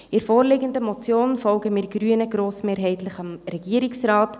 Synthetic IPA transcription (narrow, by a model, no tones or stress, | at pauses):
ɪɾfoːɾlɪɡəndəmɔt͡sjoːnfɔlɡəmɪːɾɡ̥ɾyənəɡ̥ɾoːsmeːɾɦɛɪtləχɑmɾɛɡ̥iəɾɪksrɑːt